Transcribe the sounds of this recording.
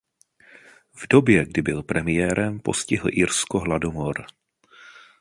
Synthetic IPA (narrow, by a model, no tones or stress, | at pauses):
vdo̞bjɛɡdɪbɪlpɾɛmɪjɛːɾʔɛmpo̞̰scɪɦl̩ʔɪɾskoɦladomoɾ